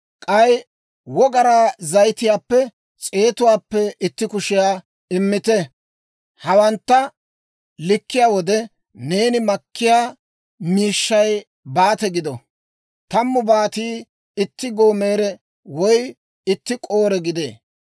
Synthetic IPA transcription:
kʼɐj | wɔɡɐɾaːzɐjt̪ɪjaːpːɛ | t͡sʼe̞ːt̪ʊwaːpːɛɪt̪ːɪkʊʃɪjaː | ɪmːɪt̪ɛ | hɐwɐnt̪ːɐ | lɪkːɪjaːwɔd̪ɛ | ne̞ːnɪmɐkːɪjaː | miːʃːɐj | baːt̪ɛɡɪd̪ɔ | t̪ɐmːʊbaːt̪iː | ɪt̪ːɪɡoːme̞ːɾɛ | wɔj | ɪt̪ːɪkʼo̞ːɾɛɡɪd̪ḛː

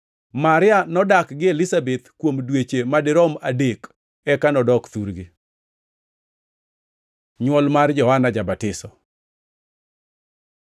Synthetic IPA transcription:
maɾɪanɔdakɡɪelɪsabet̪kwomdwet͡ʃemadɪɾɔmadek | ɛkanɔdɔkt̪uɾɡɪ | ɲwɔlmard͡ʒɔhanad͡ʒabatɪsɔ

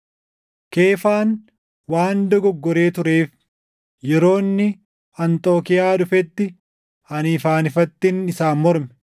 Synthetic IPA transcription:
ke̞ːfaːn | waːnd̪ɔɡɔɡːɔɾe̞ːt̪ʊɾe̞ːf | jɛɾo̞ːnːɪ | ɐnt̪ʼo̞ːkɪjaːᶑʊfɛt̪ːɪ | ɐniːfaːnɪfɐt̪ːɪnɪsaːnmɔɾmɛ

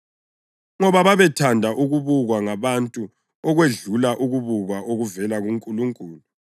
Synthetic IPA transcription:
ŋɔβaβaβɛtʰandʱaʔuɣuβuɣwaŋaβantʼu | ɔɣweɮulaʔuɣuβuɣwaʔoɣuvɛlaɣuŋkʼuluŋkʼuːlu

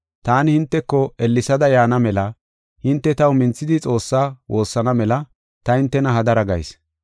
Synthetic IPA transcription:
t̪aːnɪhɪnt̪ːɛkːɔɛlːɪsɐd̪ɐjaːnɐmɛlɐ | hɪnt̪ːɛt̪ɐwmɪnt͡sːɪd̪ɪt͡sʼo̞ːsːaːwʔo̞ːsːɐnɐmɛlɐ | t̪ɐhɪnt̪ːɛnɐɦɐd̪ɐɾɐɡɐ̰js

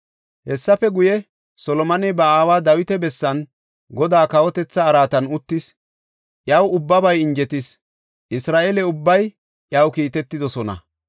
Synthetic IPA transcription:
hɛsːɐfɛɡʊjɛ | sɔlɔmɐnɛbɐaːwaːd̪ɐwɪt̪ɛbɛsːɐn | ɡɔd̪aːkɐwɔt̪ɛt͡sːɐːɾaːt̪ɐnʊt̪ːɪs | ʔjɐwʊbːɐbɐjɪnd͡ʒɛt̪ɪs | ʔɪsɾaːʔelɛʊbːɐj | ʔjɐwkiːt̪ɛt̪ːɪd̪ɔsɔnɐ̰

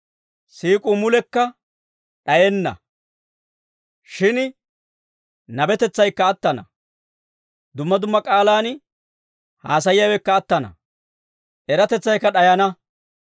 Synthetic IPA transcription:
siːkʼumʊlɛkːɐ | ɗɐjɛnːɐ̰ | ʃɪn | nɐbɛt̪ɛt͡sːɐjkːɐːt̪ːɐnɐ̰ | d̪ʊmːɐd̪ʊmːɐkʼaːlaːn | haːsɐjɪjɐwɛkːɐːt̪ːɐnɐ̰ | ʔɛɾɐt̪ɛt͡sːɐjkːɐɗɐjɐnɐ

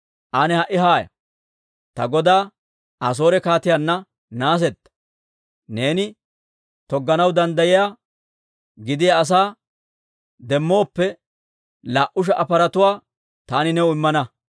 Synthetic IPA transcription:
ʔanɛhɐʔɪɦaːjɐ̰ | t̪ɐ̰ɡɔd̪aː | as̬o̞ːɾɛkaːt̪ɪjanːɐ | naːs̬ɛt̪ːɐ̥ | ne̞ːnɪ | t̪ɔɡːɐnɐwd̪ɐnd̪ɐjɪja | ɡɪd̪ɪjaːs̬aː | d̪ɛmːo̞ːpːɛ | laːʔʊʃ̬ɛʔɐpɐɾɐt̪ʊwaː | t̪aːnɪnɛʊɪmːɐnɐ

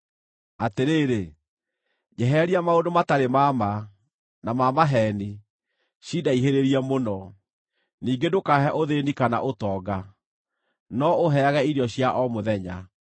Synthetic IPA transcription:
ateɾeːɾe | d͡ʒɛɦɛɾiamaodomataɾemama | namamaɦɛni | ɕidaiɦeɾeɾiɛmonɔ | niːɡedokaɦɛʔoðenikana̰ʔotɔːɡa | nɔoɦɛaɣɛiɾjɔɕjaʔɔmoðɛɲa

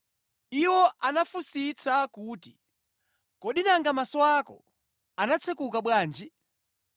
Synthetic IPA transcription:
iwɔʔanafusit͡sʰakuːti | kɔɗinaŋɡamasɔwakɔ̰ | anat͡sʰɛkukaɓwaːnd͡ʒi

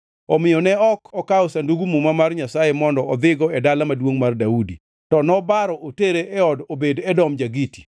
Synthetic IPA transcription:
ɔmɪjɔnɛɔkʰɔkaɔsanduɡumumamarɲasajemɔndɔɔd̪ɪɡɔɛdalamadwoŋmardaudi | tɔnɔbaɾɔʔoteɾeʔɛɔdobedɛdɔmd͡ʒaɡiti̥

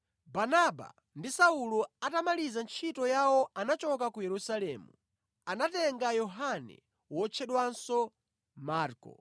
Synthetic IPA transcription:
banaba̰ | ndisaulɔatamalizant͡ʃʰitɔjawɔanat͡ʃɔkakujɛɾusalɛmu | anatɛŋɡajɔɦanɛ̰ | wɔt͡ʃʰɛɗwansɔ | maːɾkɔ̰

